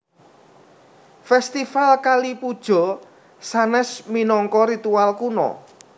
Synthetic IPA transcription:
fɛst̪ifalkalipud̥ʒ̥ɔ̤ | sanɛsminɔŋkɔɾit̪ualkunɔ̰

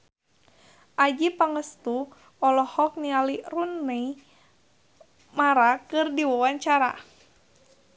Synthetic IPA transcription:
ʔad͡ʒipaŋəst̪u | ɔlɔhɔk̚nialirunːei | maɾakɨrdiwawaɲt͡ʃaɾa̰

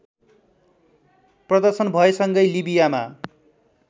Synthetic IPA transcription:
prʌd̪ʌrsʌnbʱʌesʌŋɡʌjlibijama

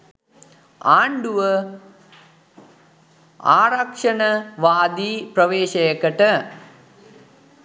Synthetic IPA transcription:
aːɳɖuʋə | a̰ːɾɐkʂɐnəʋaːd̪iːprɐʋeːʃɐjəkəʈə

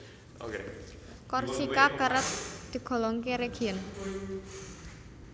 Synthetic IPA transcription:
ok | kɔrsikakəɾət̪̚d̪̥i̤ɡ̥ɔ̤lɔŋkeɾeɡ̥iən

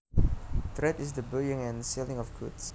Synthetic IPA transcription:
tɹɛtɪsdəbəjɪ̃ŋɛ̃nsilɪ̃ŋɔfɡʰṵts

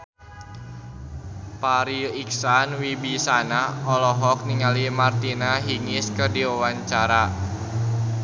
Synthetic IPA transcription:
paɾiiksanwibisanaɔlɔɦɔk̚niŋalimart̪inaɦiŋɪskɨrdiawaɲt͡ʃaɾa

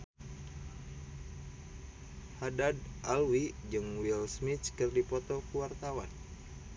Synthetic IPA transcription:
hadadʔalwid͡ʒɨŋwilsmit͡ʃkɨrdipɔt̪ɔkuwart̪awan

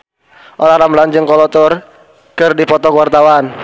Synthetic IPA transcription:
ʔɔɾaɾambland͡ʒɨŋkɔlɔt̪ʊr | kɨrdipɔt̪ɔkwart̪awan

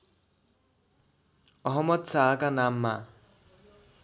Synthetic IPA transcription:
ɔɦɔmːʌd̪saːkanamːa

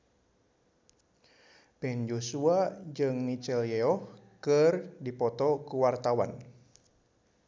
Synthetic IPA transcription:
pɛnd͡ʒosuad͡ʒɨŋmit͡ʃɛljɛɔhkɨrdipɔt̪ɔkuwart̪awa̰n

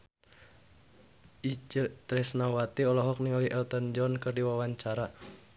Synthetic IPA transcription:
ʔit͡ʃət̪ɾɛsnawat̪iɔlɔɦɔk̚niŋɔliʔɛlt̪ənd͡ʒɔnkɨrdiwawaɲt͡ʃaɾa

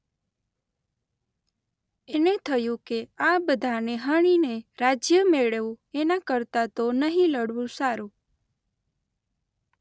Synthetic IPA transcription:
enet̪ʰəjũkeabəd̪ʱaneɦəɳ̃ineɾad͡ʒjəmeɭeʋũenakəɾt̪at̪onəɦĩləɽʋũsaɾũ

